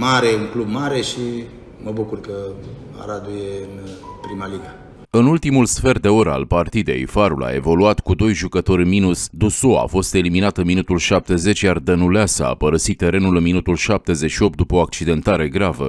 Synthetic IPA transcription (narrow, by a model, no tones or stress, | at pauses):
maɾeuŋklub̚maɾe̞ʃi | məbukurkə | a̰ɾad̪ujeɨnpɾimaliɡa | ɨnult̪imulsfe̞rd̪e̞o̞ɾəa̰lpart̪id̪e̞̰jfaɾula̰e̞̰vo̞luat̪kud̪o̞jʒukət̪o̞rʲminusd̪usoa̰fo̞st̪e̞liminat̪ɨnminut̪ulʃap̚t̪e̞ze̞t͡ʃjard̪ənuleasəa̰pəɾəsit̪ːe̞ɾe̞nulɨnminut̪ulʃap̚t̪e̞ze̞ʃio̞pt̪d̪upəoak̚t͡ʃid̪e̞nt̪aɾe̞ɡɾavə̰